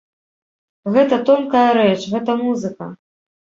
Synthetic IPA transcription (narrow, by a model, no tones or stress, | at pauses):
ɣɛt̪ɐt̪ɔmkɐjɐɾɛt͡ʂɣɛt̪ɐmuzɨkɐ